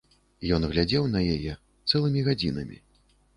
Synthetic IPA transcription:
jɔnɣlʲad͡zʲɛwnɐjajɛ | t̪sɛlˠɨmʲiɣad͡zʲinɐ̰mʲḭ

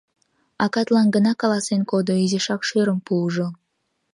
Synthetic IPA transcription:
ɑkɑt̪lɑnɡənɑkɑlɑsenkod̪oizeʃɑkʃøɾəmpuʒo

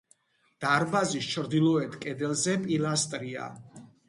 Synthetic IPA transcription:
d̪̥aɾbazist͡ʃʰɾd̪ilˠɔɛt̪ʰkʼɛd̪ɛlˠzɛpʼilast̪ʼɾia̰

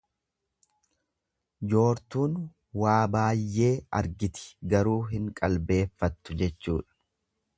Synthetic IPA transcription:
d͡ʒo̞ːɾt̪uːn | waːbaːjːe̞ːɐ̰ɾɡɪt̪ɪ̥ɡɐɾuːɦɪŋkʼɐlbe̞ːfːɐt̪ːʊd͡ʒɛt͡ʃːuːᶑɐ̥

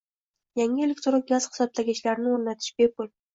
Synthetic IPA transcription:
jaŋɪe̞lʲekʲt̪ɾoq̚ɡʲaz̥χɪ̥sɒb̚t̪ʰaɡʲat͡ʃlaɾnɪoɾnat̪ʰɪ̥ʃbepʰʊl

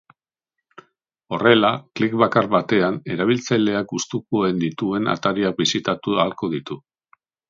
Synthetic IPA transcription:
o̞re̞laklikβakaɾrβat̪e̞ane̞ɾaβ̞ilt͡sajle̞akust̪ukuend̪it̪ue̞na̰t̪aɾiak̚bisit̪at̪ualko̞ðit̪u

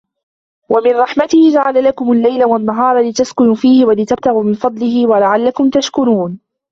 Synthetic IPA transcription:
wamɪnɾˤɑħmat̪ɪhɪd͡ʒaʕalalakʊmalːajlawanːaɦɑːɾˤɑlɪt̪askʊnuːfiːhɪwalɪt̪ab̚t̪aɣuːmɪnfɑd̪ˤlɪhɪwalaʕalːakʊmt̪aʃkʊɾuːn

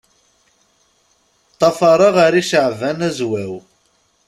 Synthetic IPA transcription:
t̪ˤːɑfɑɾˤɑʁɑɾiʃəʕvænæzwæw

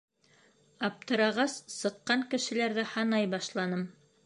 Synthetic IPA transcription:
ɑp̚t̪ɤ̆ɾɑʁɑssɤ̆qːɑŋkɘ̆ʃɘ̆læɾðɘhɑnɑjbɑʃlˠɑnɤm

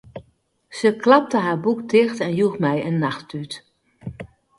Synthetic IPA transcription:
səklɑp̚təɦaːɹbukdɪxtɛnjuxmɛjənːaxtyt

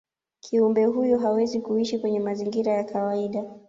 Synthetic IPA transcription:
kʰiumbɛɦujɔɦawɛzikuiʃikwɛɲɛmaziŋɡiɾajakʰawaiɗa

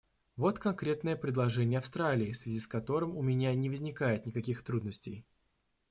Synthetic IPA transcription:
vo̞t̪kɐnkɾʲe̞t̪nəjəpɾʲɪd̪lˠɐʐɛnʲɪjəɐfst̪ɾalʲɪːsvʲɪzʲiskɐt̪o̞ɾɨmʊmʲɪnʲanʲɪvəzʲnʲɪkajɪt̪nʲɪkɐkʲixt̪ɾud̪nəsʲtʲɪj

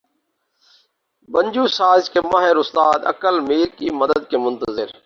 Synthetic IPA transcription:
bənd͡ʒuːsaːzkemaːɦɪɾʊst̪aːd̪ə̰kəlmiːɾkiːməd̪əəd̪̚keːmʊnt̪əzɪɾ

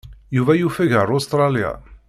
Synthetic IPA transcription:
juvæjufəʝaɾˤost̪ɾˤɑlia̰

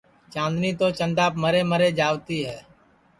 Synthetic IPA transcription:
t͡ʃãːnd̪niːt̪oːt͡ʃənd̪aːpməɾeːməɾeːd͡ʒaːʋt̪iːɦɛː

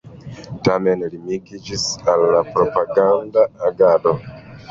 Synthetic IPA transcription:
tamenlimiɡid͡ʒisalːapɾo̞paɡandaːɡado

